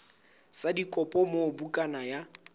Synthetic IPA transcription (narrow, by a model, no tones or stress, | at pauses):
sadikʼɔpʼɔmobukʼanaja